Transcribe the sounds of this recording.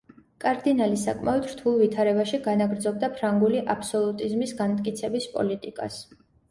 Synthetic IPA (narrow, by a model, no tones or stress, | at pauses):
kʼaɾd̪inalisakʼmaɔd̪ɾt̪ʰulˠvit̪ʰaɾɛbaʃiɡanaɡɾd̪zɔb̚d̪apʰɾaŋɡuliʔapʰsɔlˠut̪ʼizmisɡanmt̪ʼkʼit̪sʰɛbispʼɔ̰lit̪ʼikʼa̰s